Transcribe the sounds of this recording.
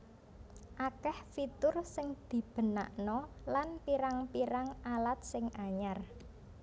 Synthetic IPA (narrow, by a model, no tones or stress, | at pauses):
ʔakɛhfit̪ʊrsɪŋd̪̥i̤b̥əna̰ʔnɔlanpiɾaŋpiɾaŋʔalat̪̚sɪŋaɲar